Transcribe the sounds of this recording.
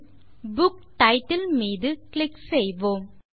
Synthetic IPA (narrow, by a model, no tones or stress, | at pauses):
bʊkʈɐɪʈːɪlmiːðɯklɪksejʋoːm